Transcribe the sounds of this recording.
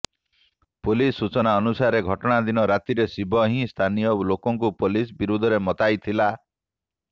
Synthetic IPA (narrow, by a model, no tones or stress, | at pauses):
polisːut͡ʃɔnaɔnusaɾeɡʱɔʈɔɽ̃ad̪inɔɾat̪iɾesibʱɔɦĩst̪ʰanijɔolokɔŋkupolisbiɾud̪ʱɔɾemɔt̪ajt̪ʰila